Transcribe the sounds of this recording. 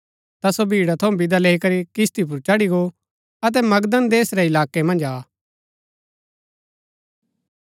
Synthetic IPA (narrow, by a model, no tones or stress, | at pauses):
t̪asobʱiːɽat̪ʰɐũbɪd̪aleːikɐɾikɪst̪ip̬ʊɾt͡ʃɐɽiɡo | ɐt̪̬ɛmɐɡd̪ənd̪eːsɾɛɪlaːkemɐ̃nd͡ʒaː